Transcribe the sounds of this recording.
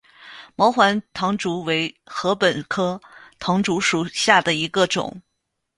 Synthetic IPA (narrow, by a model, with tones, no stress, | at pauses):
mɑ˧˥ʊxwa˧˥nt̪ʰɑ˧˥ŋʈ͡ʂu˧˥we˧˥ɪ | xɤ˧˥pə˨˩nkʰɤ˥t̪ʰɑ˧˥ŋʈ͡ʂu˧˥ʂu˨˩ɕja˥˩d̪ə˩i˧˥ɡə˧ʈ͡ʂʊ̰˨˩˦ŋ